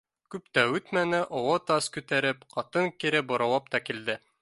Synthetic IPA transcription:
kʉpt̪æʉt̪mænɘʔowɑt̪ɑskʉt̪æɾɘpqɑt̪ɤŋkiɾɘbŏɾɑ̆wɑpt̪ɑkild̪ɘ

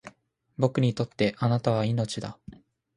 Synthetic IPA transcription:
bo̞kɯ̟ɲ̟it̪o̞t̪ːe̞ʔanat̪aβ̞aino̞t͡ɕid̪a

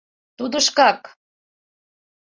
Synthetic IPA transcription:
t̪ud̪əʃkɑk

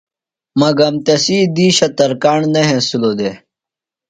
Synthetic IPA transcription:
mɐɡɐmt̪ɐsiːd̪iːɕɐt̪ɐɾkaːɳnɐɦẽsilod̪e

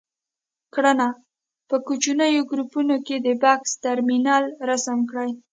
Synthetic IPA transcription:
kɽana | pəkut͡ʃunəjoɡɾupunoked̪əbɑkst̪aɾminɑlɾasamkɽaj

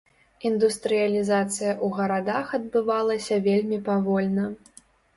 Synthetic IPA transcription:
ind̪ust̪ɾɨjɐlʲizat̪sɨjɐʔuɣɐɾad̪axɐd̪̚bɨvalˠɐsʲɐvʲelʲmʲipavɔlʲnɐ

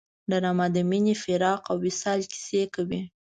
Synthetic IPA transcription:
ɖaɾɑmad̪əminifɪɾɑqawːɪsɑlki̥sekawi

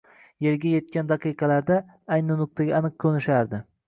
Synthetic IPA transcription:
jeɾɡʲaje̞t̪̚kʲand̪ɑqʰɨjqʰɑlaɾd̪a | ajnɪnʊk̚t̪ʰaɡʲaːnɨq̚kʰɵnɪʃaɾd̪ɪ

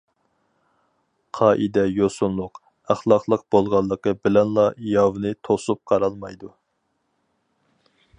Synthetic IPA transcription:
qʰɑːʔid̪ɛjosunlˠʊq | æχlˠɑqlˠəq̚b̥olˠʁɑlˠːəqəbɪlɛnlˠɑjɑwnɨt̪ʰosup̚qʰɑɾɑlˠmɑjd̪u

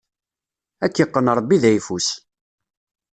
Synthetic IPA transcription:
ækːəqːənɾˤəbːiðæjfus

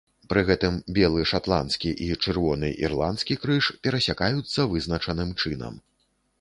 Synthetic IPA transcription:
pɾɨɣɛt̪ɨmbʲɛlˠɨʂat̪lˠa̰nt̪skʲiʔit͡ʂɨrvɔnɨ̰ʔḭrlˠant̪skʲikɾɨʂpʲɛɾɐsʲakajut̪sːɐvɨznɐt͡ʂɐnɨmt͡ʂɨnɐ̰m

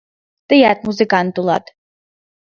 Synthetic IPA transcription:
t̪ʼɨjat̪ʼmuzɨkʼant̪ʼulˠa̰t̪ʼ

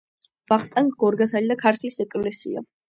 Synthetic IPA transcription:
vaχt̪ʼaŋkɡɔɾɡat̪ʰalid̪akʰaɾt̪ʰlisɛkʼlɛsḭa̰

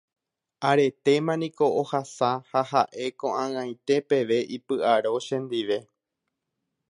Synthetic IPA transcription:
aɾe̞t̪e̞mãnĩko̞ohasahahaʔe̞kõʔãɨ̃ãj̃t̪e̞pe̞ʋe̞ʔipɨaɾo̞ʃẽ̞nd̪iʋe̞

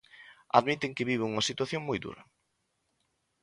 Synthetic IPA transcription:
a̰ðmit̪eŋkɪβiβ̞eŋuŋɐsit̪waθjoŋmojðṵɾɐ

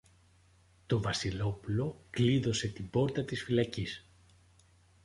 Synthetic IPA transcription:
t̪o̞vɐsilo̞pulo̞kliðo̞se̞t̪ibo̞ɾt̪ɐt̪isfilɐcis

